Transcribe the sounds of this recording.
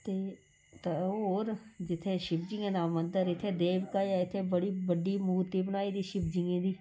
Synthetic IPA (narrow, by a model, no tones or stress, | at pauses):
t̪eː | t̪aːoːɾd͡ʒɪt̪ʰːẽːʃɪbd͡ʒiːãːd̪ãːmə̃nd̪əɾɪt̪ʰːẽːd̪eːʋkaːjaːɪt̪ʰːẽːbəɽiːbəɖiːmuːɾt̪iːbənaːiːd̪iːʃɪbd͡ʒiːẽːd̪iː